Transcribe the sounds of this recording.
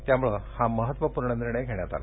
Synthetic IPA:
t̪jamuɭəhãməɦət̪ʋəpuɾɳəniɾɳəjkʰeɳjat̪a̰la̰

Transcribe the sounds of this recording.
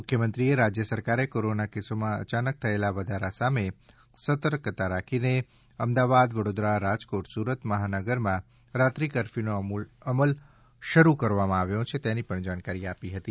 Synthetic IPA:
mʊkʰjəmənt̪ɾieɾad͡ʒjəsəɾkaɾekoɾonakesomãə̰t͡ʃanək̚t̪ʰəelaʋəd̪ʱaɾasame | sət̪əɾkət̪aɾakʰine | əmd̪aʋad̪ʋəɽod̪ɾaɾad͡ʒkoʈsuɾət̪məɦanəɡəɾmã | ɾat̪ɾikəɾfinoəməl | ʃəɾukəɾʋamãaʋjõt͡ʃʰet̪enipəɳd͡ʒaɽ̃kaɾiapiɦət̪i

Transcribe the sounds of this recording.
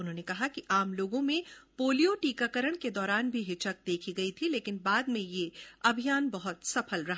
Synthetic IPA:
ʊnɦõːnekɐɦakiʔaːmloːɡõmẽpoːlijoʈiːkakəɾəɽ̃ked̪ɔːɾaːnbʱiɦɪt͡ʃək̚d̪eːkʰiɡɐit̪ʰileːkɪnbaːd̪mẽjeɐbʱijaːnbɐɦʊt̪sɐpʰəlɾɐɦa

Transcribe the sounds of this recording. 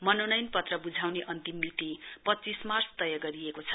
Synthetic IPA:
mʌnonʌjnpʌt̪rʌbud͡zʱawneʔʌnt̪imːit̪ipʌtːt͡sismarsʰt̪ʌjʌɡʌɾiekot͡sʰʌ

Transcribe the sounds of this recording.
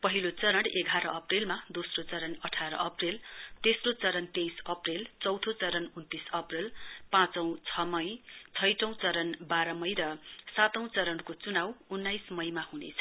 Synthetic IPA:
pʌɦilot͡sʌɾʌɽeɡʱaɾʌʌprilmad̪osrot͡sʌɾʌnʌʈʰaɾʌ̰ʔʌprilt̪esrot͡sʌɾʌnt̪ejsʌprilt͡sʌwt̪ʰot͡sʌɾʌnunt̪isʌprilpãt͡sʌ̃w̃t͡sʰʌmʌjt͡sʰʌjʈʌ̃w̃t͡sʌɾʌnbaɾʌmʌjɾʌsat̪ʌ̃w̃t͡sʌɾʌɳkot͡sunawunːajsmʌjmahunḛt͡sʰʌ̥

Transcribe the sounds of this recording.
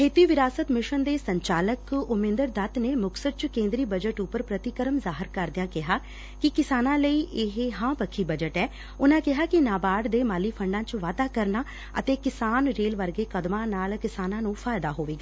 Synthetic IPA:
kʰeːt̪iːʋɪɾaːsət̪mɪʃənd̪eːsəɲt͡ʃaːləkʊmɪ̃nd̪əɾd̪ət̪neːmʊksəɾ̚t͡ʃkẽːnd̪ɾiːbəd͡ʒəʈʊpːəɾpɾət̪ɪkəɾəmzaːɦəɾkəɾd̪ɪjãːkɪɦaː | kɪkɪsaːnãːləiːʔɪɦɦãːpəkʰːiːbəd͡ʒəʈɛː | ʊnãːkɪɦaːkɪnaːbaːɖd̪eːmaːliːpʰəɳɖãːt͡ʃʋaːd̪aːkəɾnaː | ə̰t̪eːkɪsaːnɾeːlʋəɾɡeːkəd̪mãːnaːlkɪsaːnãːnũːpʰaːjd̪aːɦoːʋeːɡaː

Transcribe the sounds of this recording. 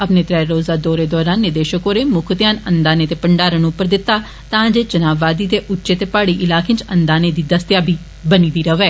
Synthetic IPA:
əpneːt̪ɾɛːɾoːzaːd̪ɔːɾeːd̪ɔːɾaːnːɪd̪eːʃəkoːɾeːmʊkʰt̪jaːnənd̪aːneːt̪eːpəɳɖaːɾənũʊpːəɾd̪ɪt̪ːaː | t̪ãːd͡ʒeːd͡ʒənaːʋːaːd̪iːd̪eːʔʊtːʃeːt̪eːpaːɽiːʔɪlaːkẽːnt͡ʃənd̪aːneːd̪iːd̪əst̪jaːbʱiː | bəniːd̪iːɾəʋɛː

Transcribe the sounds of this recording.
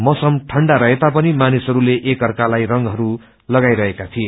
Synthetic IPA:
mʌsʌmʈʰʌɳɖaɾʌɦet̪apʌnimanisɦʌɾuleʔekɦʌrkalajrʌŋɡɦʌɾu | lʌɡajɾʌɦekat̪ʰie

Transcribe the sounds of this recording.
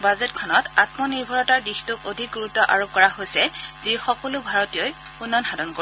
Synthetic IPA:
bazɛtkʰɔnɔtatmɔniɹbʱɔɹɔtaɹdixtʊkodʱik̚ɡuɹutːɔʔaɹop̚kɔɹahojsɛz̥ixɔkɔlʊbʱaɹɔtijɔjunːɔnxadɔnkoi

